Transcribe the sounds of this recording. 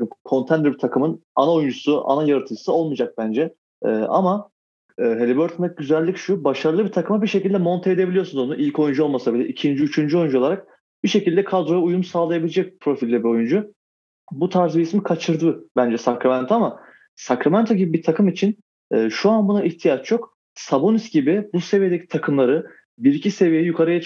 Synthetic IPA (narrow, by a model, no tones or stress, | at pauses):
ɯkʰo̞nt̪ʰɛnd̪ɾbit̪ʰakʰɯmɯnanaojund͡ʒusuʔa̰najaɾɯt̪ʰɯd͡ʒɯ̥sɯo̞lˠmɯd͡ʒak̚bænd͡ʒɛ | ɛ̰ːa̰maː | ɦe̞lʲibøɾt̪ʰanɛɟyzælʲːicʃubaʃaɾɯlˠɯbit̪ʰakɯmabiʃecilʲd̪ɛmo̞nt̪ʰaed̪ebilʲijosunzonuʔilʲco̞jund͡ʒuo̞lˠmasabilʲɛ̰ʔicʰind͡ʒiyt͡ʃʰynd͡ʒyo̞jund͡ʒuo̞lˠaɾak̚ | b̥iʃe̞cʰilʲd̪ɛkʰad̪ɾo̞jaujumsaːlˠajabilʲed͡ʒɛc̚pʰɾo̞filʲːɛbio̞jund͡ʒu | but̪ʰaɾzbiismikʰat͡ʃʰɯɾd̪ɯbænd͡ʒɛsakɾamɛænt̪ʰoama | sakɾamænt̪ʰo̞ɟibibit̪ʰakʰɯmit͡ʃʰin | ɛːʃuanbunaʔiht̪ʰijat͡ʃʰjo̞k | sabonisɟibɪbuse̞vije̞d̪ecʰit̪ʰakʰɯmlˠaɾɯ | biɾicʰise̞vijejɛjukʰaɾɯja